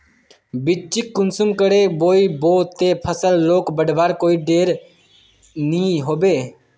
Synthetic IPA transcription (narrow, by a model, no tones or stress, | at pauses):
bɪt͡ʃɪkːʊnsʊmkəɽeːboːiːboːt̪eːpʰəsəlːoːkbəɖbaːɾkoːiːɖeːɾ | nĩːɦoːbeː